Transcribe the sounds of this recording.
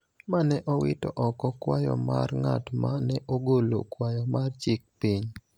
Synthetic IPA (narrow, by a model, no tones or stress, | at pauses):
manɛʔɔwɪtɔ̰ʔɔkɔkwajɔ̰ma̰rŋa̰tmanɛʔoɡolo̰kwajɔmart͡ʃɪk̚piɲ